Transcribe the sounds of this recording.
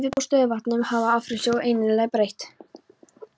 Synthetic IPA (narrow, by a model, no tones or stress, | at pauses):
vɪpɔwst̪œðɪvat̪nʏmhavaafɾɪsɔʔejnɪɾlɛɣpɾejht̪